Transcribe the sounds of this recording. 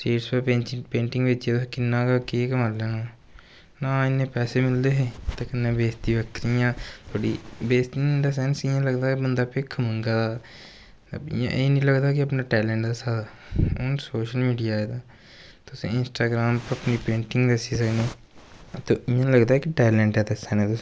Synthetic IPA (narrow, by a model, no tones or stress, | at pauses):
seːʈspeepẽːɳʈɪ̃ŋɡbeːt͡ʃiet̪osekɪnːãːkakekəmaːleːnaː | nãːɪnẽpɛːsemɪld̪eːɦɛːt̪ekənːẽbeːst̪iʋəkɾijãːt̪ʰoːɽiːbeːst̪iẽnd̪asɛnsɪ̃jãːləɡd̪aibənd̪aːpekʰəmə̃ŋɡad̪aː | ə̰bɪ̰jã̰ːʔeːnĩːləɡd̪aːkiəpnaːʈɛːlɛ̃ːɳʈd̪aːsaːd̪a | onsoːʃəlmiːɖijaːɛːd̪aː | t̪ʊsḛ̃ːɪnsʈaːɡɾaːmpəpnipẽːɳʈɪ̃ŋɡd̪əsisəkneː | t̪oːɪjãləɡd̪aːɦɛkiʈɛːlɛ̃ːɳʈɦɛːd̪esɛ̃nẽːt̪ʊs